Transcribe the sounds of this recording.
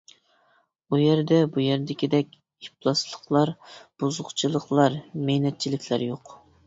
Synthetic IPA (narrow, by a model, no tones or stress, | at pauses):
ujɛɾd̪ɛbujɛɾd̪ɪkʲid̪ɛkʲ | iplˠɑslˠəqlˠɑɾb̥uzʊχt͡ʃʰilˠəqlˠɑɾmɛjnɛt̪̚t͡ʃʰilɪkʲʰlæ̰ɾjoq